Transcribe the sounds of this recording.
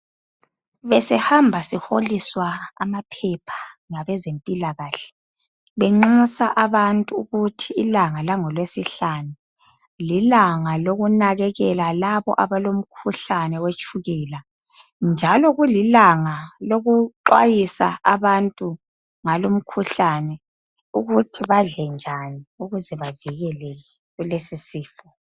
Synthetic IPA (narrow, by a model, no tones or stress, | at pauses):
βɛsɛhambʱasiholiswa̰ːmapʰɛpʰḁŋaβɛzempʼilaɣaːɬɛ̥ | βɛŋ͡ǁusaʔaβantʼuuɣutʰiːlaŋalaŋɔlwesiɬanu | lilaŋaloɣunaɣɛɣɛlalaβɔ̰ʔaβalom̩kʰuɬanɛwet͡ʃʼuɣɛːla | nd͡ʒʱalɔɣulilaŋaloɣuǃwa̰jisa̰aβantʼu | ŋalom̩kʰuɬanɛ | uɣutʰiβaɮɛnd͡ʒʱaniuɣuzɛβaviɣɛlɛɣɛ | ɣulesisiːfɔ